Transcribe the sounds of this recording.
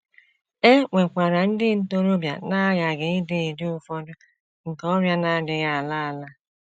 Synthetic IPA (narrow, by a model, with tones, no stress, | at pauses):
e˦ŋʷe˨kʷa˨ɾa˨n̩˦dɪ˦n̩˦to˦ɾo˦bja̰˨na˦ja˨ɡɪ˨ɪ˦dɪ˦˨dɪ˦ʊ˨fɔ˦dʊ˦ | ŋ̩˨kɔ˦ɾja˦na˦dɪ˨˦ɣa˨la˦a˨la˦